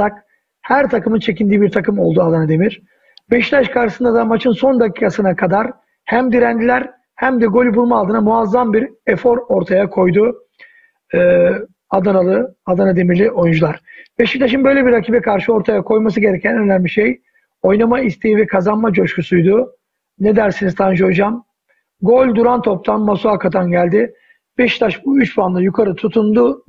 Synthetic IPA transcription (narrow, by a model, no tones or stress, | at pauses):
ak̚ | hæɾt̪ʰakɯmɯnt͡ʃʰe̞cind̪iːbiɾt̪ʰakɯmo̞lˠd̪uad̪anad̪e̞miɾ̥ | beʃi̥t̪ʰaʃkʰaɾʃɯsɯnd̪ad̪amat͡ʃʰɯnso̞nd̪aciːkʰasɯnakʰad̪aɾ | hæmd̪iɾænd̪ilʲæɾ | hæmd̪ɛɡo̞lʲibulˠmalˠt̪ʰɯːnamuazːambiɾɛfo̞ɾo̞ɾt̪ʰajakʰo̞jd̪u | ad̪analˠɯad̪anad̪e̞miɾlʲiʔo̞jund͡ʒulˠaɾb̥eʃit̪ʰaʃɯnbø̞jlʲebiɾacʰiːbɛkʰaɾʃɯo̞ɾt̪ʰajakʰo̞jmas̬ɯɟe̞ɾɛcʰænøɾnæmʲmʲiʃej | o̞jnamaist̪ʰejivɛkʰazanmad͡ʒo̞ʃkʰusujd̪ʊ | ned̪æɾsinizt̪ʰand͡ʒo̞d͡ʒam | ɡo̞lʲd̪uɾant̪ʰo̞p̚t̪ʰanmasuakʰat̪ʰanɟælʲd̪ɪ | b̥eʃi̥t̪ʰaʃbuyt͡ʃbanlˠajukʰaɾɯt̪ʰut̪ʰund̪ʊ